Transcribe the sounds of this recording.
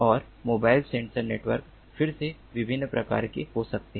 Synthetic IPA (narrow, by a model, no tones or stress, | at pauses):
ɔːɾ | moːbaːɪlsẽɳʈsəɾneːʈʋəɾk | fɪɾse | ʋɪbʱɪnːpɾɐka̰ːɾkeɦosɐk̚t̪eɦɛ